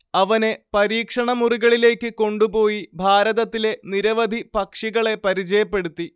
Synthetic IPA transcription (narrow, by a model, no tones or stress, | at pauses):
ɐʋɐne̞pɐɾiːkʂɐɳɐmuriɣɐɭile̞ːkʲːɨko̞ɳɖupo̞ːjibʱaːɾɐðɐt̪ːile̞niɾɐʋɐd̪ʱipɐkʂiɣɐɭe̞pɐɾit͡ɕɐjɐpːe̞ɽut̪ːi